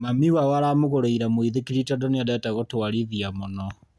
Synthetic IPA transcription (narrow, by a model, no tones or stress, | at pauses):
mamiwawaɾamoɣoɾeiɾamoiðekiɾitadɔneadɛtaɣotowaɾiðiamonɔ